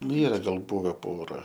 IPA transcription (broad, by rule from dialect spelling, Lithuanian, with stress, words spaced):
nʊ ˈiːrɐ ɡɐlˠ ˈbʊʋʲɛ ˈpoːrɐ